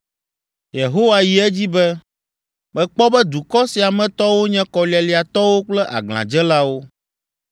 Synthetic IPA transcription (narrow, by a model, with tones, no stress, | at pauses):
je˨ɦo˦wa˦ji˨ɛ˦d͡ʑi˦bɛ˦ | mɛ̃˨k͡pɔ˦bɛ˦d̪u˨kɔ˦si˨a˨mɛ̃˨t̪ɔ˦wo˦ɲɛ̃˦kɔ˨li˦a˨li˨a˨t̪ɔ˦wo˦k͡plɛ˦ʔa̰˨ɡl̃ã̰˨d͡ʒɛ˦la˦wo˦